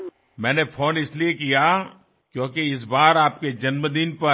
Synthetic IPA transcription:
mɛ̃ːnefʰoːnɪsliekija | kjõːkeɪs̬baːɾaːp̚ked͡ʒɐnməd̪ɪnpɐ

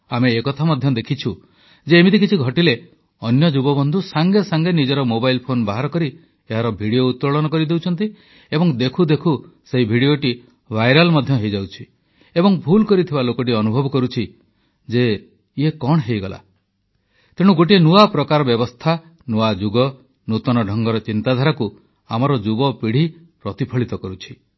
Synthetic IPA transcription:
ameːkɔt̪ʰamɔd̪ʱjɔd̪ekʰit͡ʃʰu | d͡ʒeːmit̪ik̬it͡ʃʰiɡʱɔʈile | ɔnjɔd͡ʒuɡɔbɔnd̪ʱusaŋɡesaŋɡenid͡ʒɔɾɔmobajlpʰonbaɦaɾɔkɔɾi | eɦaɾɔbʱiɽiout̪ːɾɔɭɔnɔkɔɾid̪ewt͡ʃʰɔnt̪i | ebɔŋd̪ekʰud̪ekʰuseɦibʱiɽioʈi | bʱajɾalmɔd̪ʱjɔɦejd͡ʒawt͡ʃʰi | ebɔŋbʱulkɔɾit̪ʰibalokɔʈ̬iɔnubʱɔbɔkɔɾut͡ʃʰi | d͡ʒe | jekɔɽ̃ɦejɡɔla̰ | t̪eɽ̃uɡoʈ̬ienuapɾɔkaɾɔbjɔbɔst̪ʰa | nuad͡ʒuɡɔ | nut̪ɔnɔɖʱɔŋɡɔɾɔt͡ʃint̪ad̪ʱaɾaku | amɔɾɔd͡ʒubɔpiɽ̤i | pɾɔt̪ipʰɔɭit̪ɔkɔɾut͡ʃʰi̥

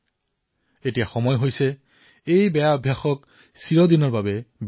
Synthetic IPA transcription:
etijaxɔmɔjɦojsɛ | ejbɛjaɔbʱjaxɔk | siɹɔdinɔɹbabɛb

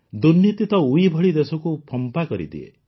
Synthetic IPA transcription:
d̪unjit̪it̪ɔuibʱɔɭid̪esɔkupʰɔmpakɔɾḭd̪ḭḛ

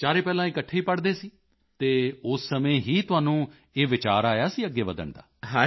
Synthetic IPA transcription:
t͡ʃaːɾeːpɛːlãːɪkəʈʰːeːiːpəɽd̪eːsiː | t̪eːʊsːəmẽːɦiːt̪ʊɦaːnũː | eːʋɪt͡ʃa̰ːɾaːjaːsiːəɡːeːʋəd̪ə̰ɳd̪a̰ːɦa

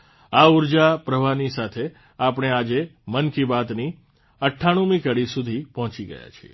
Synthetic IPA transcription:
auɾd͡ʒapɾəʋʱanisat̪ʰe | apɽ̃ead͡ʒemənkibat̪ni | əʈʰːaɽ̃ũmĩkəɽisud̪ʱipɔɦɔ̃t͡ʃiɡə̰ja̰t͡ʃʰie

